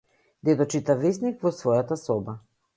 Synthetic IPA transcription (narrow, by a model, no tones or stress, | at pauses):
d̪ɛd̪ɔt͡ʃit̪avesnikvɔsvɔjat̪asɔba